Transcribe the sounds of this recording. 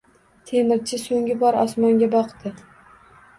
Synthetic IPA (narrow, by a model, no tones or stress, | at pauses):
t̪ʰemɪɾt͡ʃʰɪsoŋɡʲɪbɒɾɒsmɒŋɡʲabɒqt̪ɪ